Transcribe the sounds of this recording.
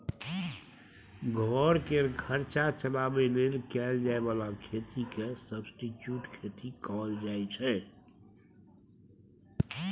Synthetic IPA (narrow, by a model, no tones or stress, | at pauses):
ɡʱɔːɾkeɡʱəɾt͡ʃat͡ʃəlaːbeleːlkɛːld͡ʒaːebaːlakʰeːt̪ikesəbsʈiʈjuːʈkʰeːt̪ikɔːld͡ʒaːet͡ʃʰɛ